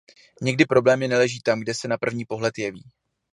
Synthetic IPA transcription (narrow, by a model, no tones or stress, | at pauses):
ɲɛɡdɪpɾo̞blɛːmɪnɛlɛʒiːt̪amɡdɛsɛnapr̩vɲiːpo̞ɦlɛt̪jɛvḭː